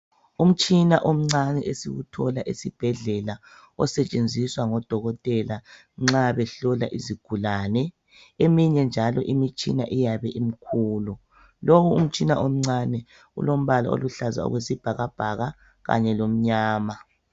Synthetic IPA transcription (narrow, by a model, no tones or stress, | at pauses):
um̩t͡ʃʼinaʔom̩ŋ͡ǀanɛʔesiɣutʰɔlaʔisib̥ʱɛɮɛla | ɔsɛt͡ʃʼend͡zʱiswaŋɔd̥ʱɔɣɔtʼɛla | ŋ͡ǁaβɛɬɔla̰ʔiziɡ̥ʱulanɛ | emiɲɛnd͡ʒʱalɔʔimit͡ʃʼḭnaʔijaβɛʔim̩kʰuːlɔ | lowuum̩t͡ʃʼinaʔom̩ŋ͡ǀanɛ | ṵlom̩βala̰o̰luɬaza̰ɔ̰ɣwesib̥ʱaɣab̥ʱaɣa | ɣa̰ɲɛlom̩ɲaːma